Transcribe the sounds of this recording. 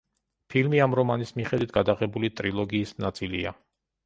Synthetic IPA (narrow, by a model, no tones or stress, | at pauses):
pʰilmiamɾɔmanismiχɛd̪wit̪̚ɡ̥ad̪aʁɛbulit̪ʼɾilˠɔɡiːsnat̪sʼilia